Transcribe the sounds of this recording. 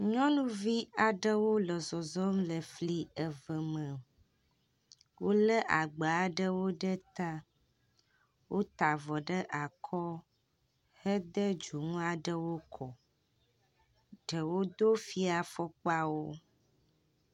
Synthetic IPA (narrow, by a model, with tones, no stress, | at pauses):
ɲɔ̃˦nũ˦vi˦a˨ɖə˦wo˦lə˨zɔ˨zɔ˦mlə˨fli˦ə˨və˨mə̃˨ | wo˦lə˦ʔa˨ɡ͡ba˨˦ɖə˦wo˦ɖə˦t̪a˦ | wo˦t̪a˨vɔ˨ɖə˦ʔa˨kʰɔ˦ | hə˦d̪ə˦d͡ʒu˨ŋũ˦a˨ɖə˦wo˦kʰɔ˨ | ɖ̥ə˨wo˦d̪o˦fi˦a˨fɔ˦k͡pa˦wo˦